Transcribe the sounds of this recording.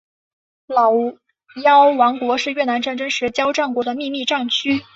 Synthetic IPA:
lɑ˨˩ʊ | jɑ˥ʊwɑ˧˥ŋkwɔ˧˥ʂɻ̩˥˧ɥɛ˥˩na˧˥nʈ͡ʂa˥˩nʈ͡ʂɤ˥ŋʂɻ̩˧˥t͡ɕjɑ˥ʊʈ͡ʂɑ˥˩ŋkwɔ˧˥d̪ə˧mi˥˧mi˥˧ʈ͡ʂɑ˥˩ŋt͡ɕʰy˥

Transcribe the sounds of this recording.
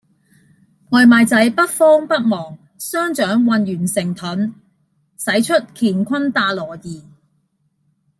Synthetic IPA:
ŋɔː˧jmaː˨˧jt͡sɐ˨˥jpɐ˥t̚fɔː˥ŋpɐ˥t̚mɔː˨˩ŋ | sœː˥ŋt͡ʃœː˨˥ŋwɐ˨˧njyː˨˩nsɪ˨˩ŋt̪ʰɵ˨˥n | sɐ˨˥jt͡ʃʰɵ˥t̚kʰiː˨˩nkʷʰɐ˥nt̪aː˧lɔː˨˩jiː˨˩

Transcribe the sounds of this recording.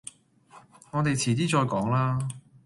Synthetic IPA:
ŋɔː˨˧t̪e˨jt͡sʰiː˨˩t̪iː˥t͡ʃɔː˧jkɔː˨˥ŋlaː˥

